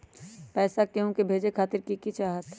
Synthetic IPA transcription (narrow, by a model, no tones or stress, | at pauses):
pɛːsakeõkebʱeːd͡ʒekʰaːt̪ɪɾkikit͡ʃaːɦət̪